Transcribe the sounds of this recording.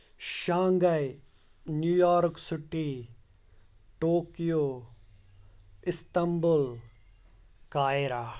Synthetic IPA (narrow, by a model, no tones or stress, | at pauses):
ʃãːŋɡɐj | njujɔːɾksɪʈi | ʈoːkijoː | ɪst̪ɐmbul | kaːeɾaː